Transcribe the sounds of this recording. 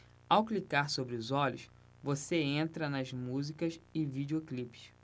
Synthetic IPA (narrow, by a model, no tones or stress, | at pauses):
awklikaɾsobɾɪʊzɔʎʊs | voseẽnt̪ɾɐnɐzmuzikɐʃɪvid͡ʒeoklipɪ̥ʃ